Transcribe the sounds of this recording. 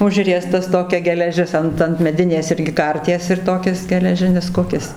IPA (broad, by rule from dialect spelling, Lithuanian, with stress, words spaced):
ˈʊʒʲrʲiɛstɐs ˈtoːkʲɛ ɡʲɛlʲɛˈʒʲɪs ˈɐnt ɐnt mʲɛˈdʲɪnʲeːs ˈɪrʲɡʲɪ ˈkɐrʲtʲiɛs ɪr ˈtoːkʲɪs ɡʲɛlʲɛˈʒʲɪnʲɪs ˈkʊkʲɪs